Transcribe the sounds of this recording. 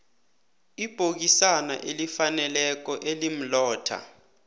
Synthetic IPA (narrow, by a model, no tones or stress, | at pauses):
ib̥ʱok̬isana̰ʔelifanɛlɛk̬ɔʔelim̩lɔːtʰa̰